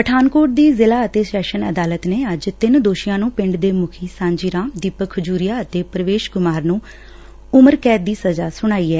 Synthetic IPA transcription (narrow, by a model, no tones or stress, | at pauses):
pəʈʰaːnkoːʈ̚d̪iːzɪlaːət̪eːsɛːʃənə̰d̪aːlət̪neːəd͡ʒt̪ɪnd̪oːʃɪjãːnũːpɪ̃ɳɖd̪eːmʊkʰiːsãːɲd͡ʒiːɾãːmd̪iːpəkʰːəd͡ʒuːɾɪjaːət̪eːpɾəʋeːʃɡʊmaːɾnũː | ʊməɾkɛːd̪iːsəzaːsʊɽ̃aːiːɛː